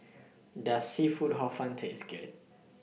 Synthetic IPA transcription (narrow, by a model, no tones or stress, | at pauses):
dəsifud̚ɦɔfãntʰeskɛ̰t̚